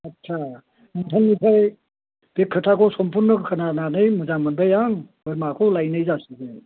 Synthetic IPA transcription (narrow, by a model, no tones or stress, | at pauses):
ɐtsʰa | mɯntʰanːipʰaj | b̥ekʰːɯtʰakʰɔsɔmpʰuɾnɯkʰɯnananɯjmɯzamɯnbajaŋbɯjmakʰɔlajnɯjzasiɡe